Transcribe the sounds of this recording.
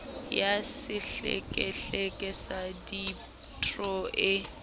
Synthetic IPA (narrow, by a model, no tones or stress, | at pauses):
jasɪɬḛkʼɛɬekʼɪsadi | tʰʼrɔʔɪ